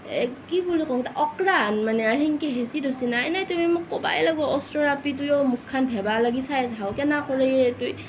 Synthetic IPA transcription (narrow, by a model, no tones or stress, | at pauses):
ekibulikʰɔŋtaʔɔkɾanmaneahiŋkeɦesidɔsinaːjnajtɔmimukːɔba̰jlaɡɔɔstɔɾapit̬ujɔmukʰːanpʰebalaɡisajas̬ɦawkenakʰɔɾejetuj